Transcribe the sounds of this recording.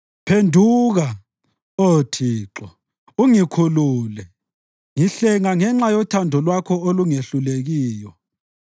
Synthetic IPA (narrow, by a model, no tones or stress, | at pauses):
pʰendʱuɣa | otʰiːǁɔ | uŋikʰuluːlɛ | ŋiɬɛŋaŋɛŋ͡ǁajɔtʰandʱɔlwakʰɔoluŋeɬuleɣiːjɔ